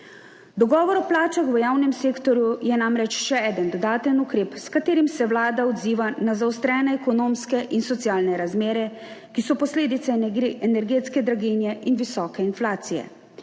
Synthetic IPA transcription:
d̪ɔɡɔːʋɔɾɔplaːt͡ʃaxʋəjaːwnɛmseːkt̪ɔɾjujɛnamɾɛt͡ʃʃɛɛːd̪ənd̪ɔd̪aːt̪ənukɾeːpskat̪eːɾimsɛwlaːd̪aɔd̪ziːʋanazaɔst̪ɾɛːnɛɛkɔnoːmskɛʔinsɔt̪sjaːlnɛɾazmeːɾɛ | kisɔpɔsleːd̪it̪sɛɛnɛɾɡeːt̪skɛd̪ɾaɡinjɛinʋisɔːkɛinflaːt̪sijɛ̰

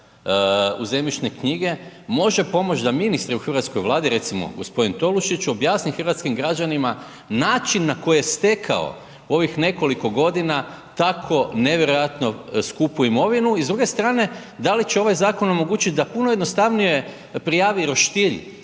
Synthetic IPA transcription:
ṵze̞mit͡ʃnekɲiɡe̞mo̞ʒe̞po̞mo̞t͡ʃd̪aminist̪ɾiuxrʋat̪sko̞jʋlˠaːd̪iɾe̞t̪simo̞̰ɡo̞̰spo̞d̪int̪o̞luʃit͡ʃobjaːsnixrʋat̪skimɡɾad͡ʒanima | naːt͡ʃinːako̞jjest̪e̞kʰa̰o̞̰ | o̞ʋixne̞ko̞liko̞ɡo̞d̪ina | t̪akʰo̞ne̞ʋje̞ɾo̞jat̪noskupuimo̞ʋinuizd̪ɾuɡe̞st̪ɾaːne̞ | d̪alit͡ɕeo̞ʋajzaːko̞no̞mo̞ɡuːt͡ʃit̪̚d̪apunoje̞d̪nost̪aʋnije̞ | pɾijaːʋiɾo̞ʃt̪iʎḭ

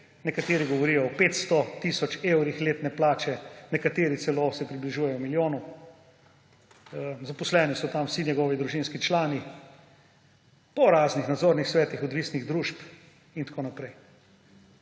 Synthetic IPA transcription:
nɛkat̪eːɾiɡɔʋɔɾijɔɔpeːt̪st̪ɔt̪isɔt͡ʃewɾixleːt̪nɛplaːt͡ʃɛnɛkat̪eːɾit̪sɛloːsɛpɾibliʒuːjɛjɔmiljoːnu | zapɔslɛːnisɔt̪amwsinɛɡɔːʋid̪ɾuʒinskit͡ʃlaːni | pɔɾaːznixnad̪zoːɾnixsʋɛːt̪ixɔd̪ʋiːsniɣd̪ɾuːʃp | int̪ḁkoːnapɾɛj

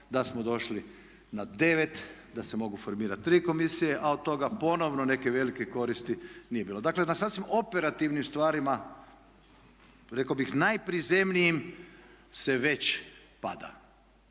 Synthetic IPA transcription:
d̪asmod̪o̞ʃli | nad̪eʋet̪d̪ase̞mo̞ɡufoɾmiːɾat̪ːɾiːko̞misijeʔaod̪̚t̪ːo̞ɡapo̞no̞ʋnone̞keʋe̞likeko̞ɾist̪inijebiːlo̞d̪akle̞nasaːsʋimopeɾat̪iʋnimst̪ʋaːɾima | ɾekabixnajpɾizemnijim | se̞ʋe̞t͡ɕpa̰d̪a̰

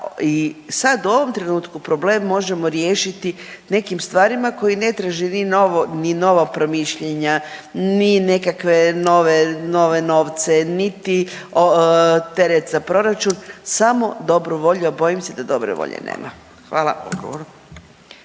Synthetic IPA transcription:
isad̪uo̞ʋo̞mt̪ɾe̞nuːt̪kupɾo̞ble̞ːmːo̞ʒemo̞ɾjeːʃit̪ine̞kimst̪ʋaːɾimako̞jine̞t̪ɾaʒeninoonino̞ʋapɾo̞miʃʎeɲanine̞kakʋe̞no̞ʋeno̞ʋeno̞ːʋt̪senit̪iot̪e̞ɾet̪zapɾo̞ɾat͡ʃunsamo̞d̪o̞bɾuʋo̞ʎuabo̞imsed̪ad̪o̞̰bɾḛʋo̰ʎḛnḛːmʔa̰ | xʋaːlˠa̰o̰ɡo

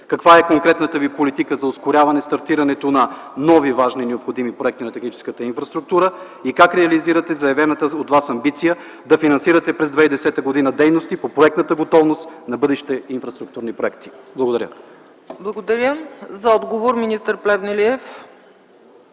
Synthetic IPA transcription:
kɐkvaɛkoŋkɾɛt̪nət̪əvipolit̪ikəzɐoskoɾʲjavɐnɛst̪ɐɾt̪iɾɐnɛt̪onɐ | nɔvivaʒninɛopxod̪imipɾoɛkt̪inɐt̪ɛxnit͡ʃɛ̥skət̪əinfɾɐst̪ɾuk̚t̪uɾə | ikakɾɛɐliziɾɐt̪ɛzɐɐvɛnət̪əot̪vasɐmbit̪sijə | d̪ɐfinɐnsiɾɐt̪ɛpɾɛzd̪vɛid̪ɛsɛt̪əɡod̪inəd̪ɛjnost̪ipopɾoɛk̚t̪nət̪əɡot̪ɔvnost̪nɐbɤd̪ɛʃi̥t̪ɛinfɾɐst̪ɾuk̚t̪uɾnipɾoɛkt̪i̥blˠɐɡod̪ɐɾə | blˠɐɡod̪ɐɾjəzɐɔd̪ɡovoɾminist̪əɾplɛvnɛliɛf

